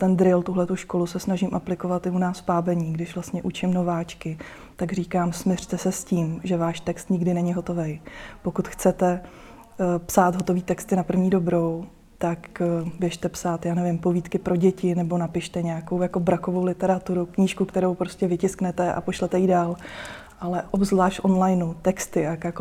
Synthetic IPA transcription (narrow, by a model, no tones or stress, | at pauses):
t̪ɛnd̪ɾɪlt̪uɦlɛt̪uʃko̞lusɛsnaʒɪmʔaplɪko̞vat̪ɪunaːspaːbɛɲiːɡdɪʃvlast̪ɲɛʔut͡ʃɪmno̞vaːt͡ʃkɪ | t̪aɡriːkaːmsmɪr̥t̪ɛsɛsciːmʒɛvaːʃt̪ɛkst̪ɲɪɡdɪnɛɲɪɦo̞t̪o̞vɛjpo̞kut̪xt͡sɛt̪ɛ | psaːt̪ɦo̞t̪o̞viːt̪ɛkst̪ɪnapr̩vɲiːdo̞bɾo̞w | t̪akbjɛʃt̪ɛpsaːt̪jaːnɛvɪmpo̞viːt̪kɪpɾo̞ɟɛcɪnɛbo̞napɪʃt̪ɛɲɛako̞wjako̞bɾako̞vo̞wlɪt̪ɛɾat̪uɾukɲiːʃkukt̪ɛɾo̞wpɾo̞scɛvɪcɪsknɛt̪ɛʔa̰po̞ʃlɛt̪ɛidaːl | ʔalɛʔobzvlaːʃtʔo̞nlajnut̪ɛkst̪ɪajkjk